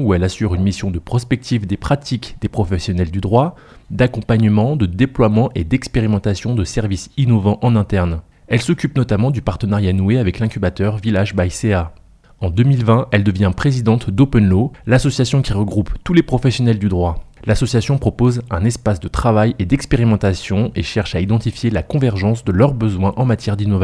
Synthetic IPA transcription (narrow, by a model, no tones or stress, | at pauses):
uɛlasyʁynmisjɔ̃d̪əpχɔspɛk̚t̪ʰivd̪epχat̪ʰikd̪̥epχɔfɛsjɔnɛld̪yd̪ʁwa | d̪akɔ̃paɲəmɑ̃d̪əd̪eplwamɑ̃ʔed̪ɛkspeʁimɑ̃t̪asjɔ̃d̪əsɛʁvisinɔvɑ̃ʔɑ̃nɛ̃t̪ɛʁn | ɛlsɔkʲypnɔt̪amɑ̃d̪ypaʁt̪ənaʁjanueavɛklɛ̃kʲybat̪œʁvilaʒbajsea | ɑ̃d̪ømilvɛ̃ɛld̪əvjɛ̃pχezid̪ɑ̃t̪d̪opɛnlolasɔsjasjɔ̃kʲiʁəɡʁupt̪ulepχɔfɛsjɔnɛld̪yd̪ʁwalasɔsjasjɔ̃pχɔpozɛ̃nɛspasd̪ət̪χavajed̪ɛkspeʁimɑ̃t̪asjɔ̃eʃɛʁʃaid̪ɑ̃t̪ifjelakɔ̃vɛʁʒɑ̃sd̪əlœʁbəzwɛ̃ʔɑ̃mat̪jɛʁd̪inɔva